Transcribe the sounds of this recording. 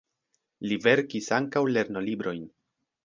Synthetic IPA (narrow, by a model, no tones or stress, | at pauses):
live̞ɾkisaŋkawle̞ɾno̞libɾo̞jn